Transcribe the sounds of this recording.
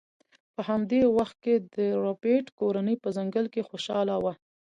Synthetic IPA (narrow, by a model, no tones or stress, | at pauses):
pəhamd̪ewaxt̪̚ked̪əɾopeʈkoɾanəjpəzaŋɡəlkexoʃɑlawa